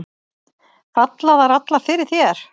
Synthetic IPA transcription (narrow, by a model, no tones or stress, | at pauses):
fat̪laðaɾat̪laɾ̥fɪɾɪɾ̥θjɛɾ̥